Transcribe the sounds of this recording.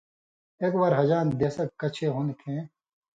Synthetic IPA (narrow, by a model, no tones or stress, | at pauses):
eːkbaːɾɦɐd͡ʑaːnd̪eːsɐkkːɐt͡ɕʰeɦonkʰẽː